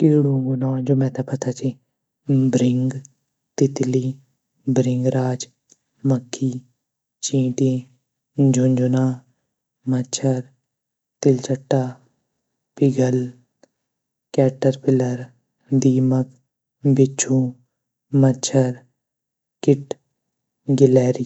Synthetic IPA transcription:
kɪɾɽũːɡʊnãːd͡ʒoːmɛ̃ːt̪apət̪aːt͡ʃʰi | bɾɪŋɡ | t̪ɪt̪liː | bɾɪŋɡɾaːd͡ʒ | məkʰːiː | t͡ʃĩːʈĩː | d͡ʒʱʊɲd͡ʒʊnaː | mət͡ʃʰəɾ | t̪ɪlt͡ʃəʈːaː | pɪɡəl | kɛːʈəɾpɪləɾ | d̪iːmək | bɪt͡ʃʰũː | mət͡ʃʰəɾ | kɪʈ | ɡɪlɛːɾi

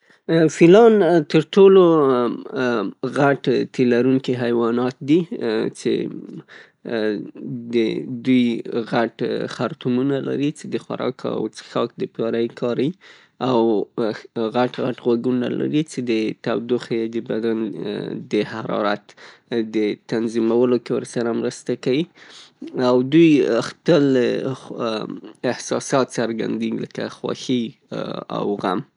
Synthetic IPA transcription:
filɑnt̪əɾʈolo | ɣaʈt̪elaɾuŋkiɦajwɑnɑt̪̚d̪it͡ʃḛ | d̪əd̪ujɣaʈxaɾt̪umunala̰ɾit͡ʃed̪əxwa̰ɾɑ̰ka̰wt͡sə̥xɑk̚d̪əpjɑɾajkʰɑɾai | aw | ɣaʈɣaʈɣwaɡuna̰la̰ɾit͡ʃed̪ət̪awd̪uxjd̪əbad̪and̪əhaɾɑ̰ɾat̪d̪ət̪anzimawəlokewəɾsaɾamɾəst̪akawi | awd̪ujxpəl | ɪhsɑsɑt̪saɾɡa̰nd̪eɡiləkaxwɑ̰xi | a̰wɣam

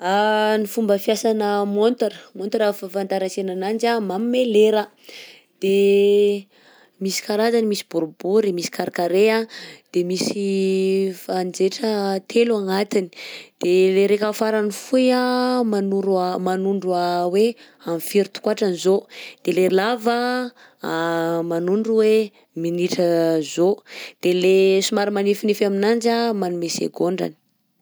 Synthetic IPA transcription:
anifumbəfjasanəmont̪aɾəmont̪aɾafafant̪aɾasenanand͡ʒamamimeleɾa | d̪̥e | misi̥kaɾazanimisi̥buɾubuɾemisi̥kaɾakaɾead̪̥emisi | fand͡ʒeʈ͡ʂət̪ʰeluaŋat̪ini̥d̪̥eleɾekafaɾanifujamanuɾamanuɳɖ͡ʐuawe | amfiɾit̪u̥kwaʈ͡ʂanizod̪̥elelavə | manuɳɖ͡ʐuwe | miniʈ͡ʂəzod̪̥elesumaɾimanifinifaminand͡ʒamanumesḛɡoɳɖ͡ʐa̰ni̥

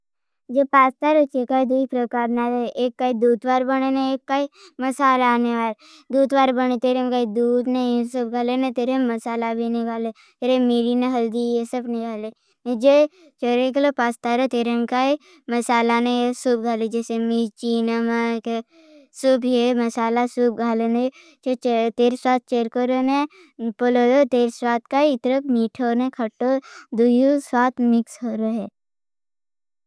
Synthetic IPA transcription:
d͡ʒepaːst̪aɾot͡ʃekaːid̪uːpɾəkaːɾnaɾeeːkːaid̪uːd̪baːɾbəɽ̃eneeːkːaimɐsaːlaneʋaːl | d̪uːd̪ʋaːɾbəñet̪eːɾemkaːid̪uːd̪neĩesʊb̚ɡʱaːlenɐt̪eːɾemɐsaːlabʱinɪkaːle | t̪eɾemiːɽineɦɐld̪ijesəbnekaːle | ed͡ʒe | t͡ʃəɾeklopaːst̪aɾot̪eːɾemkaːi | mɐsaːlaneesuːp̚ɡʱaːled͡ʒɛːsemit͡ʃiːnɐməke | subemɐsaːlasuːp̚ɡʱaːlene | t͡ʃet͡ʃt̪eːɾswaːt̪̚t͡ʃeːɾkoɾone | poloːɾot̪eːɾswaːt̪̚kaiɪt̪ɾəpmiːʈʰoːnekʰɐʈːod̪ujuswaːt̪mɪksɦoɾoɦɛ

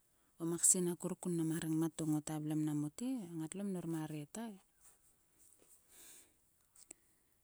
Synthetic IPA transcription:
omaksinakuɾukunːamaɾaŋmatoŋotablamnamutiaŋatlomnoɾmaɾietae

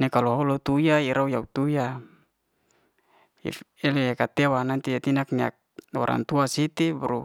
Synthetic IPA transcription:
nekaluɦolot̪ujaiɾʔaujaut̪uja | ḭelejakat̪ewanant̪ijat̪inak̚nia̰k̚wa̰ɾʔa̰nt̪uasit̪ibuɾu

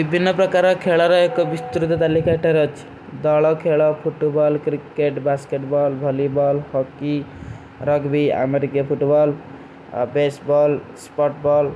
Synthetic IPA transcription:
bibʱinːəpɾəkaɾɔkʰeɭɔɾʌekɔbist̪ɾut̪t̪alikaʈeɾʌt͡ʃʰ | d̪ɔɭɔkʰeɭɔpʰuʈbɔlkɾikeʈbaskeʈbɔlbʱəlibɔlhɔki | ɾʌɡbia̰meɾikapʰuʈbɔl | besbɔlspɔʈbɔl

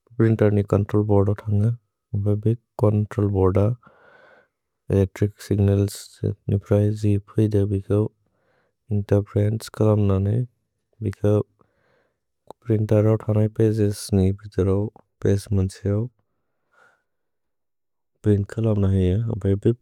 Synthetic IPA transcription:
pɾintaɾnikɔntɾɔlbɔɾdawtʰaŋa | bajbikɔntɾɔlbɔɾda | eletɾiksiɡnelsnipʰɾajzipʰɯjdabikʰaw | intapʰɾenskʰalamnanaj | bikʰa | pɾintaɾawtʰanajpezesnibit̪aɾaw | pesmansʰijaw | bɾinkʰɐlamnaɦija̰bajbi

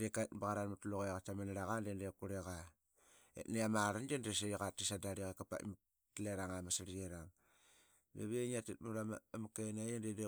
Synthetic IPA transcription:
dekatbaɣaɾanmatloɣeɣatamanaɾaɣandendekuɾeɣa | ḛtneamaɾand͡ʒendes̬eɣatisadaɾiɣekapa̰tm | tleɾaŋamasaɾieɾaŋ | mḛβeɲiatetmuɾammakenajendende

